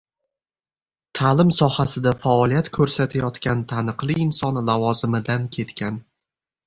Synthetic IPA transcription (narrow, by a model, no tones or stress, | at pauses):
t̪ʰalɪmsɒhasɪd̪afaɒlˠijat̪kʰɵɾsat̪ʰajɒt̪kʲant̪ʰanɨqlˠɪːnsɒnlavɒzɪmɪd̪ankʲʰe̞t̪kʲʰan